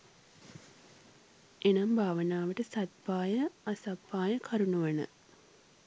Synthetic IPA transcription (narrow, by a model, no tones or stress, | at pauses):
ʔenɐmbʱaːʋənaːʋəʈəsɐt̪̚paːjəasɐpːaːjəkʰɐɾunuʋənə̰